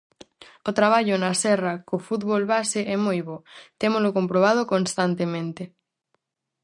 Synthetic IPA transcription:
ot̪ɾaβ̞aʎonasɛrakofut̪βolβaseʔɛmujβot̪emolokompɾoβ̞að̞okonst̪ant̪emẽnt̪e

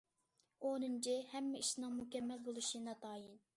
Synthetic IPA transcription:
onɨnt͡ʃʰihɛmːɪiʃnɨŋmukʲɛmːɛlbolˠuʃinɑt̪ʰɑːjin

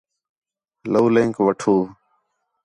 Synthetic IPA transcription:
ləːlẽːŋkʋəʈʰoː

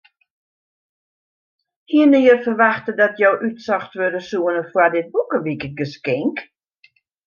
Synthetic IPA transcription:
hiənɪərfərʋaxtədɔtjowʔytsɔxtʋødəsuənəfwadɪt̚bukəʋikət̚ɡəskɪŋk

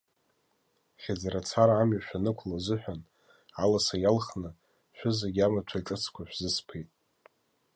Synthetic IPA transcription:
χʲed͡zeɾat͡sʰaɾaːmɥaʃᶣanɨkʷʰlazɨħᶣan | alasajalχnɨ | ʃᶣʷʊzeɡʲamat͡ʃʷʰaiʈ͡ʂʼɨt͡sʰkʷʰaʃʷᶣzɨspʰejtʼ

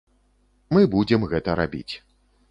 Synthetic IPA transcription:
mɨbud͡zʲɛmɣɛt̪ɐɾa̰bʲḭt͡sʲ

